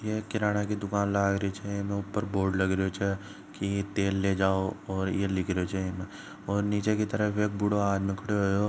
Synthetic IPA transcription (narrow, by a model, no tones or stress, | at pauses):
jekɪɾaːɽ̃akid̪ʊkaːnlaːɡɾəit͡ʃʰɛjemẽʊpːəɾboːɾɖlɐɡɾeot͡ʃʰɛ | kiet̪eːlːed͡ʒaːoɔːɾjelɪkʰɾeot͡ʃʰːemɛ̃ | ɔːɾniːt͡ʃekit̪əɾəfeːk̚bʊɽoaːd͡ʒmẽkʰɐɽeɦooː